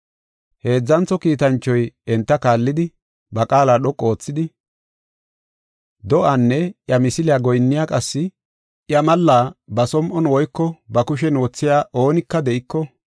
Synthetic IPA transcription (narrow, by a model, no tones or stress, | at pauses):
he̞ːd͡zːɐnt͡sːɔkiːt̪ɐnt͡ʃːɔjɛnt̪ːɐkaːlːɪd̪ɪ | bɐkʼaːlaːɗɔkʼːoːt͡sːɪd̪ɪ | d̪ɔʔanːɛʔjɐmɪsɪlɪjaːɡɔjnːɪjaːkʼɐsːɪ | ʔjɐmɐlːaːbɐsɔmʔɔnwɔjkːɔbɐkʊʃ̬ɛnwɔt͡sːɪjaːʔo̞ːnɪkːɐd̪ɛʔɪkːɔ